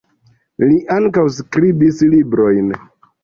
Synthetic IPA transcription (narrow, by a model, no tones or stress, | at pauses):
liʔaŋkawskɾibislibɾo̞jn